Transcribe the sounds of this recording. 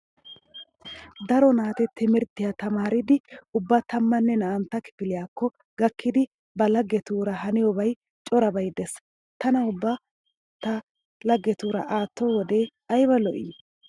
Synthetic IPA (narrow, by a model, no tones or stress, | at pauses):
d̪ɐɾɔnaːt̪ɛt̪ːɪmɪɾt̪ːɪjat̪ɐmaːɾɪd̪ɪʊbːɐt̪ɐmːɐnːɛnɐʔɐnt̪ːɐkɪ̥fɪlɪjaːkːɔ | ɡ̥ɐkːɪd̪ɪ | bɐlɐɡːɛt̪uːɾɐhɐnɪjɔbɐj | t͡ʃʼɔɾɐbɐjd̪ɛs | t̪ɐnɐʊbːɐ | t̪ɐ | lɐɡːɛt̪uːɾɐ̰ʔaːt̪ːowɔd̪e̞ː | ɐjbɐlɔʔɪ̰ː